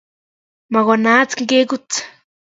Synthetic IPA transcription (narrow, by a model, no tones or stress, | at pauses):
maɡanat͡skŋkekut͡s